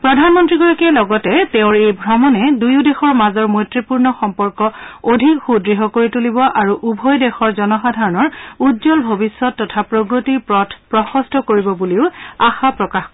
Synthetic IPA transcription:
pɹɔdʱanmɔntɹiɡɔɹakɛlɔɡɔtɛteʊ̃ɹejbʱɹɔmɔnɛdujudɛxɔɹmazɔɹmojtɹipuɹnɔxɔmpɔɹkɔodʱikxudɹiɦɔkoɹitulibɔʔaɹuʔubʱɔjdɛxɔɹzɔnɔxadʱaɹɔnɔɹudzɔlbʱobisːɔtːɔtʰapɹoɡɹotipɹɔtʰpɹɔxɔstʰɔkoɹibɔbuliʊaxapɹɔkax

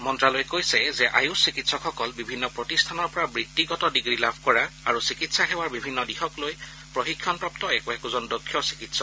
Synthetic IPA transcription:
mɔntɹalojkojsɛzɛʔa̰jusikitsɔkxɔkɔlbibʱinːɔpɹɔtistʰanɔɹpɔɹabɹitːiɡɔtɔdiɡɹilabʱkɔɹaaɹusikitsaxɛwaɹbibʱinːɔdixɔkloj | pɹoxikʰːjɔnpɹɔp̚tɔɛkuɛkuzɔndokʰːjɔsi̥kitsɔ

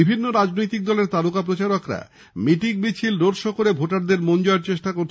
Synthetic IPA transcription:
ibʱinːoɾad͡ʑnojt̪ik̚d̪ɔleɾt̪alukapɾot͡ɕaɾokɾa̰ | miʈiɡbit͡ɕʰilɾoɖʃɔkoɾebʱoʈaɾd̪eɾmond͡ʑoeɾt͡ɕeʃʈakoɾt̪ʰ

